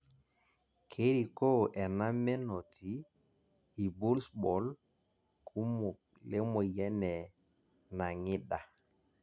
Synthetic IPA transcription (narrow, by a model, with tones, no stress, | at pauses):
kʰe˦ɾi˨ko˦ʔɛ˨na˦mɛ˦nɔ˨tʰiː˨˦˨ | bu˦lsbɔ˨l | kʰu˦mɔ˨ | lɛ˦mɔ˨jɛ˦nɛ˨ | na˨ŋɪ˦da˨